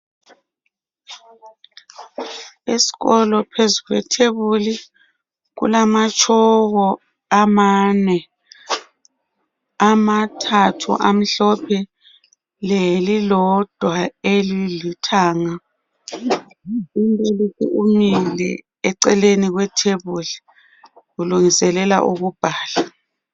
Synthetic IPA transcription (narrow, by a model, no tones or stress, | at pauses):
isi̥ɣɔlɔpʰezuɣwɛ̰tʰeβuli | ɣṵlamat͡ʃʼʰɔɣɔ | amanɛ | amatʰatʰṵʔam̩ɬɔpʰɛ | lelilɔd̥ʱwaelilitʰaːŋa | impʼelisḭʔumilɛ̰ | ɛǀɛleniɣwɛtʰeβuli | ɣuluŋisɛlɛla̰ʔuɣub̥ʱaːla